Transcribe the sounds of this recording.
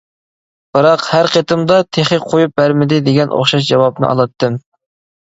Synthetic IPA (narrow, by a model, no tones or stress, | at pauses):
b̥ɨɾɑqhæɾqet̪ɨmd̪ɑt̪ʰeχɨqʰojup̚bæɾmɪd̪ɪd̪eɡʲɛnʔo̰χʃɑʃ̬d͡ʒɑwɑb̚nɨ̰ʔɑ̰lˠɑt̪ːɨm